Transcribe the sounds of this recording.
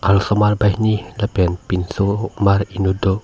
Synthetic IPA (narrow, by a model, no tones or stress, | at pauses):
ʔalsɔmalbahnihlapianpinsomarinudo